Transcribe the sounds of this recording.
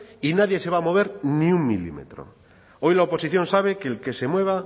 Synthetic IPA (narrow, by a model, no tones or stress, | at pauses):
inaðje̞se̞βamo̞β̞e̞ɾniuŋmilḭmḛt̪ɾo̰ | o̞jlaopo̞siθjo̞nsaβ̞e̞keːlke̞se̞mwe̞β̞a